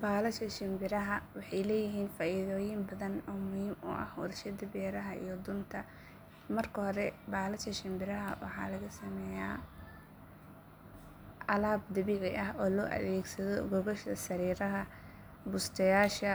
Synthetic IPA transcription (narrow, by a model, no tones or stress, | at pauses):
baːlɐʃɐʃɪmbɪɾɐɦɐwɑħɑjlɛːjɪɦiːnfaːʔiðɔːjɪmbɐðɐnɔːmʊhiːmʊ̰ʔɐ̰hwɔ̰rʃɐd̪ɐbɛːɾɐɦɐʔḭjɔd̪ʊnt̪ʰɐ | mɐrkʰɐhɔɾɛbaːlɐʃɐʃɪmbɪɾɐɦɐ̰wɑ̰ħɑ̰ːlɐɣɐsɐmɛːjaː | ʔɐlaːb̚d̪ɐβiːʕɪʔɐɦɔːlɔːʔɐ̰ðɛːɡsɐðɔɡɔɣɔʃɐsɐɾiːɾɐɦɐ | bʊst̪ʰɐjaːʃɐ